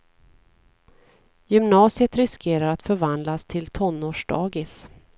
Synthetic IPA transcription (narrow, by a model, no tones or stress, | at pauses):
jʏmnɑːsɪət̪ɾɪskʰeːɾaɾat̪fœɾvand̪last̪ʰɪlt̪ʰɔnːoːʂɖɑ̰ːɡɪs